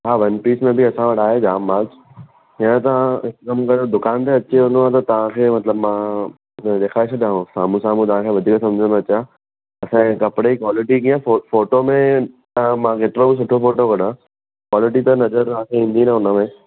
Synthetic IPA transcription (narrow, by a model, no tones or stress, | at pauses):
ɦaːʋɐnpiːsmẽbɪɐsãʋɐʈʰaːɦed͡ʑaːmbaːld͡ʑ | jãt̪ɐʋ̤ãɦɪkkɐmkɐɾod̪ʊkaːnt̪eɐt͡ɕeɦʊ̃nd̪oat̪ɐt̪ɐʋ̤ãkʰeːmɐt̪ləbmã | ɗ̪eːkʰaːesɐdjãːɦõsa̰ːmũsaːmũt̪ɐʋ̤ãkʰeːʋɐd̪ʱiːksɐ̃md͡ʑʱə̃nd̪oɐt͡ɕa | ɐsãkɐpɪɽeikwaːlɪʈikĩãfoːʈomẽ | mãkeːt̪ɪɾobɪs̬ʊʈʰofoːʈokɐɗã | kwaːlɪʈit̪ɐnɐzəɾɐãkʰeĩːn̆d̪inaʊnəmẽ